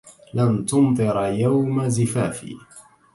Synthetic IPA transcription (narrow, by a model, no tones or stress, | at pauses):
lamt̪ʊmt̪ˤɨɾjawmazɪfaːfḭː